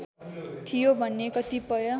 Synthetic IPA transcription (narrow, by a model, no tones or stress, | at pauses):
t̪ʰijobʱʌnːekʌt̪ipʌjʌ